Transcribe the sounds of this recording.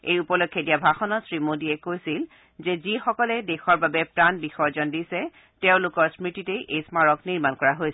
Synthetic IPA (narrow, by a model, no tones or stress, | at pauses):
ejupɔlokʰːjedijabʱaxɔnɔsɹimodiɛkojsil | zɛzixɔkɔlɛdexɔɹbabɛpɹanbixɔjzɔndisɛ | tɛʊ̃lʊkɔɹsmɹititeʔejsmaɹɔkniɹmankɔɹaɦojsɛ